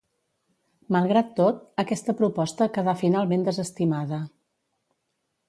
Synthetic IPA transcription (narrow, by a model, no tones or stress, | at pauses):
məlˠɣɾat̪ːot̪̚əkɛst̪əpɾupɔst̪əkəðafinalˠmend̪əzəst̪imaðə